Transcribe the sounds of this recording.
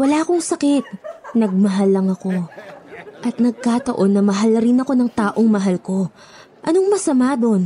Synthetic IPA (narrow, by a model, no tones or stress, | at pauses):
wɐlaːɐko̞ŋsɐkɪt̪̚nɐɡ̚mɐɦalːɐŋɐko̞ | ʔɐt̪̚nɐɡ̚kaːt̪ɐʔo̞nːɐmɐɦalːɐɾɪnɐko̞nɐŋt̪aːʔo̞ŋmɐɦalko̞ | ʔɐno̞ŋmɐsɐmaːd̪o̞n